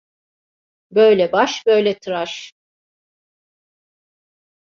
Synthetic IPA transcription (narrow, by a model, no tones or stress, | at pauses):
bø̞jlʲɛbaʃbø̞jlʲɛt̪ʰɯɾaʃ